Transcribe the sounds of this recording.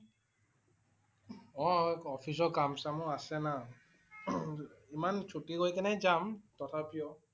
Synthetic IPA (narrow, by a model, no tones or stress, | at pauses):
ɔɔpʰis̬ɔkamsamuasɛna | imant͡ʃʰutiɡojkɛnɛjzamtɔtʰapijɔ